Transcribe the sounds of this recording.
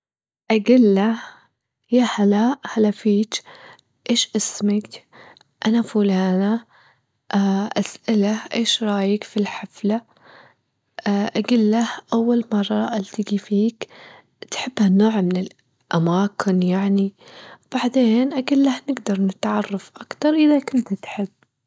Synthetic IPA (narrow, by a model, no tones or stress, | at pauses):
ʔaɡilːa | jahalaʔhalafiːt͡ʃ | ʔeːʃʔɪsmɪk | ʔanafulaːna | ʔaʔasʔɪlaʔeːʃɾˤɑːjɪkfilħafla | ʔaɡiːlːahʔawːalmɑrˤːɑʔalt̪ɪɡifiːk | t̪ħɪbːhanoːʕmɪnɪl | ʔamaːkɪnjaʕnib̥aʕd̪eːnʔaɡiːlːahnɪɡd̪ɑɾˤnɪt̪ʕɑrˤːɑfʔakt̪ɑɾˤʔɪðakʊnt̪t̪ħɪbː